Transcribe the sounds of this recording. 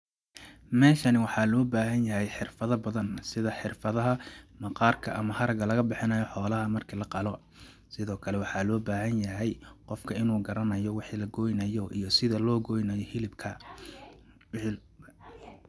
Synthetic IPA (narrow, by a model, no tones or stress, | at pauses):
mɛːʃɐnɪwɑħɑlɔːbaːɦɐnjɐɦɛjħɪrfɐðɐbɐðɐnsɪðɐħɪrfɐðɐɦɐmɐqɑːrkʰɐʔɐmɐhɐɾɐɡɐlɐɣɐbɪħɪnɐjɔħɔːlɐɦɐmɐrkʰilɐqɑlɔ | sɪðɔːkʰɐlɛwɑħɑːlɔːbaːɦɐnjɐɦɛjqɔfkʰɐɪnuːɡɐɾɐnɐjɔwɪħiːlɐɡɔːjnɐjɔʔijɔsɪðɐlɔːɡɔjnɐjɔhɪlɪbkʰɐ